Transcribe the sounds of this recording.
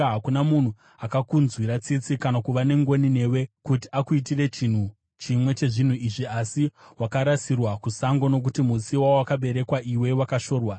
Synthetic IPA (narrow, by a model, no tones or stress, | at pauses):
ɦakunamun̤u | akakunzwiɾat͡sit͡sikanakuʋane̞ŋɡo̞nine̞we̞kutiakuit̬ire̞t͡ʃin̤u | t͡ʃimwe̞t͡ʃe̞ʐin̤uiʐiasiwakaɾasirwakusaŋɡo̞no̞k̬utimusiwawowakaɓe̞ɾe̞kwaʔiwe̞wakaʃo̞ːrwa